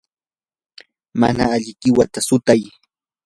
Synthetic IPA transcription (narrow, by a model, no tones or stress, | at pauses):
ma̰na̰aʎɪkɪwat̪asʊt̪aj